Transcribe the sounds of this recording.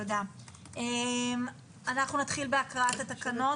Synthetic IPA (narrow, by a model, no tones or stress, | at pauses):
odea | ʔem | anaχnunat̪χilbeakʁat̪at̪akano̞